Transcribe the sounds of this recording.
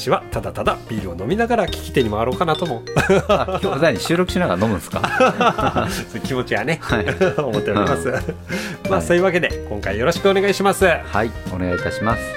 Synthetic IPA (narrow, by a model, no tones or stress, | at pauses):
ɕiβat̪ad̪at̪ad̪ab̥ʲiːɾɯ̟o̞no̞mʲinaɡaɾakʲi̥kʲi̥t̪e̞ɲ̟imaaɾo̞ːkanat̪o̞mo̞ | ozaɲiɕɨːɾo̞kɯ̟ɕinaɡaɾano̞mɯ̟̃nsɨ̥ka̰ | sokʲimo̞t͡ɕiɡane̞omo̞t̪ːe̞oɾimasɨ | maːso̞jɯ̟βake̞d̪e̞kõŋkaijo̞ɾo̞ɕi̥kɯ̟one̞ɡaiɕimasɨhaione̞ɡait̪aɕimasɨ̥